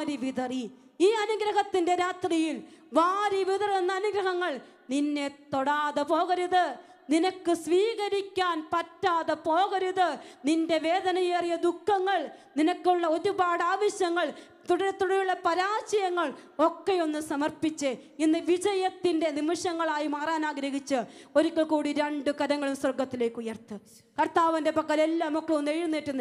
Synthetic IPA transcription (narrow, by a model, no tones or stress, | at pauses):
ɾiʋiðɐri | iːɐnuɡɾɐɦɐt̪ːinde̞ɾaːt̪rijilʋaːɾiʋiðɐrenːɐːnuɡɾɐɦɐŋːɐɭ | ninːe̞t̪ːo̞ɽaːðɨpo̞ːɣɐɾuðɨ | ninɐkːɨsʋiːɣɐɾikʲːaːnpɐtːaːðɨpo̞ːɣɐɾuðɨninde̞ʋe̞ːðɐnɐjerijɐd̪ukʰːɐŋːɐɭninɐkːuɭːɐo̞ɾubaːɽaːʋɐɕjɐŋːɐɭ | t̪uɽɐɾt̪uɽɐɾuɭːɐpɐɾaːsɐjɐŋːɐɭo̞kːe̞jo̞nːɨsɐmɐrpit͡ɕːɨinːɨʋid͡ʑɐjɐt̪ːinde̞nimɐʂɐŋːɐɭaːjimaːraːnaːɡɾɐɦit͡ɕːɨo̞ɾukʲːɐɭkuːɽiɾeɳɖɨkɐɾɐŋːɐɭumsɐrɡɐt̪ːile̞ːkːujɐrt̪ɨ | kɐrt̪aːʋɐnde̞pɐkːɐlelːamukːɐɭonːejunːeːtːunː